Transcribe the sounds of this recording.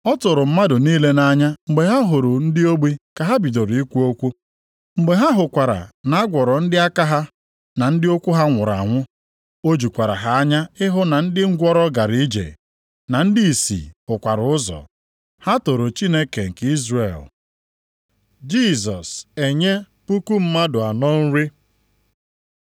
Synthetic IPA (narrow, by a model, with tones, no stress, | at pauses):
ɔ˦tʊ˨ɾʊ˨m̩˦ma˦dʊ˨niː˦le˦na˦ɲa˦ŋ͡m̩˨ɡ͡be˨ɦa˦ɦʊ˨ɾʊ˨n̩˦dɪ˦o˦ɡ͡bi˦ka˨ɦa˦bi˨do˨ɾi˦kʷu˦o˦kʷu˦ | ŋ͡m̩˨ɡ͡be˨ɦa˦ɦʊ˨kʷa˨ɾa̰˨na˦ɡʷɔ˨ɾɔ˨n̩˦dɪ˦a˦ka˦ɦa˦ | na˨n̩˦dɪ˦o˦kʷu˦ɦa˦ŋʷʊ˨ɾa̰˨ŋʷʊ˦ | o˦d͡ʒu˨kʷa˨ɾa̰˨ɦa˨a˦ɲa˦ɪ˦ɦʊ˦na˨n̩˦dɪ˦ŋ̩˦ɡʷɔ˦ɾɔ˦ɡa˨ɾi˦d͡ʒḛ˨ | na˨n̩˦di˦i˨sḭ˨ʊ˨kʷa˨ɾʊ˨ʊ˦zɔ̰˨ | ha˦to˨ɾo˨t͡ʃi˦ne˦ke˨ŋ̩˨ki˦zɾḛ˨l | d͡ʒi˦˨zɔ˨se˨ɲe˦ | pu˦ku˦m̩˦ma˦dʊ˨a˨nɔ˦n̩˦ɾi˦